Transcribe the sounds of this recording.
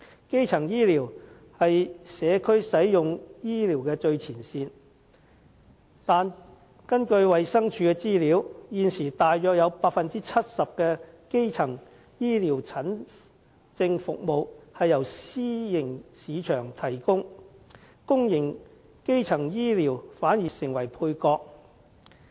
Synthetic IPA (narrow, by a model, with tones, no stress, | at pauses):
ke˥jt͡sʰɐ˨˩ŋjiː˥liː˨˩w | hɐ˨jsɛː˨˧kʰɵ˥ɥsɐ˨˥jjʊ˨ŋjiː˥liː˨˩wkɛː˧t͡ʃɵ˧ɥt͡sʰiː˨˩nsiː˧n | t̪aː˨n | kɐ˥nkɵ˧ɥwɐ˨jsɐ˥ŋt͡ʃʰyː˧kɛ˧t͡siː˥liː˨˧˥wjiː˨nsiː˨˩t̪aː˨jjœː˧k̚jɐ˨˧wpaː˧k̚fɐ˨nt͡siː˥t͡sʰɐ˥t̚sɐ˨p̚kɛː˧ | ke˥jt͡sʰɐ˨˩ŋ | jiː˥liː˨˩wt͡sʰɐ˨˥n | t͡sɪ˧ŋfʊ˨k̚mo˨whɐ˨jːɐ˨˩wsiː˥jɪ˨˩ŋsiː˨˧t͡ʃʰœː˨˩ŋt̪ʰɐ˨˩jkʊ˥ŋ | kʊ˥ŋjɪ˨˩ŋ | ke˥jt͡sʰɐ˨˩ŋjiː˥liː˨˩wfaː˨˥njiː˨˩sɪ˨˩ŋwɐ˨˩jpʰuː˧jkɔː˧k̚